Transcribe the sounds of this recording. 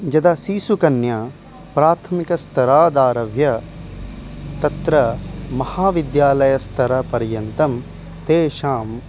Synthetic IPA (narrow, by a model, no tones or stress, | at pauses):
d͡ʒɐd̪ɐsiːsukɐnja | pɾaːt̪ʰɐmikɐst̪ʰɐɾaːd̪aːɾɐʋjɐ | t̪ɐt̪ɾɐmɐhaːʋid̪jaːlɐjɐst̪ʰɐɾɐpɐɾjɐnt̪ɐm | t̪eːʃaːm